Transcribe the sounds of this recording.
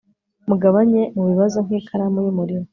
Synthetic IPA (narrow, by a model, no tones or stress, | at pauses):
muɡaβaɲe̞muβiβazo̞ŋ̥hikʰaɾamujumuɾiɾo